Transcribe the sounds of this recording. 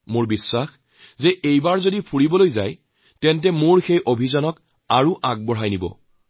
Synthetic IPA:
moɹbisːax | zɛʔejbaɹzodipʰuɹibɔlojza̰j | tɛnt̬ɛmoɹxejʔobʱizanɔk | aɹuʔaɡ̚bɔɹɦajnibɔ̰

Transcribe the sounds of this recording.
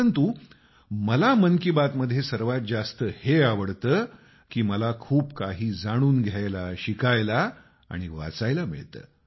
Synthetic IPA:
ənt̪u | məlaməŋkibat̪məd̪ʱːjesəɾʋat̪̚d͡zast̪əheaʋəɽt̪əː | kiːməlakʰuːpkaɦiːd͡zaɽ̃uːnɡʱjajlaɕikajla̰ː | ɽ̃iʋa̰t͡sajlamḭɭt̪ə̰ː

